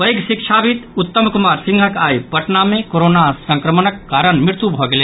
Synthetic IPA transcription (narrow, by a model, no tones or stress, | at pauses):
pɐjɡʃɪkʃʰabit̪ʊt̪ːəmkʊmaːɾsɪ̃ŋɡʱəkaːipɐʈnamẽkoɾoːnasɐ̃ŋkɾəmənəkːaːɾəɳmɾɪɾt̪ubʱoɡɐleː